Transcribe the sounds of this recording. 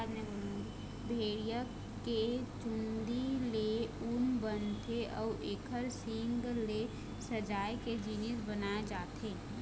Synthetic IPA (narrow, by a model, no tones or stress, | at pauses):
d̪nebə̃ | bʱeːɽjə | ket͡ʃʊnd̪ileʊnbənt̪ʰeʔɔːʔeːkʰəɾsĩŋɡle | səd͡ʒaːjked͡ʒiːnisbənaːed͡ʒaːt̪eː